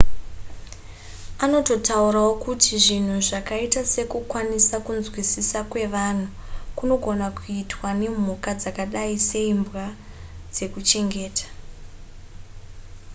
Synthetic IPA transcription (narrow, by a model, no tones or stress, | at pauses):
ano̞to̞tauɾaokutiʐin̤uʐakaitase̞kukwanisakunzwisisakwe̞ʋan̤u | kuno̞ɡʱo̞nakuitwane̞m̤ukad͡zakaɗaise̞imbwa | d͡ze̞kut͡ʃe̞ŋɡe̞ːtḁ